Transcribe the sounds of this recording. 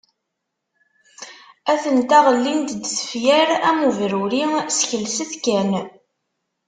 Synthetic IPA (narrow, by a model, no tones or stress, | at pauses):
æθənt̪æʁlːint̪d̪sə̥fjæɾæmuvɾuɾisçəlsəθkæn